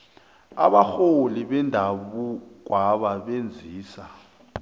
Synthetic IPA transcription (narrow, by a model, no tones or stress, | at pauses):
a̰ɓaxoliɓɛndʱaɓuk̬waɓaɓend͡zʱiːsa